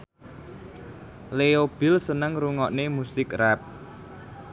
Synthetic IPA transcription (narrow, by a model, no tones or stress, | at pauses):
leob̥ɪ̤lsənəŋruŋɔʔnemusɪkrap̚